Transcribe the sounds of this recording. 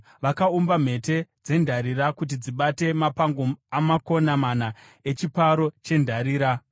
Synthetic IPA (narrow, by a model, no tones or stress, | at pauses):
ʋakaumbam̤e̞te̞d͡ze̞ndʱaɾiɾakut̬id͡ziɓate̞mapaŋɡoamako̞namana | e̞t͡ʃipaɾo̞t͡ʃe̞ndʱaɾiːɾa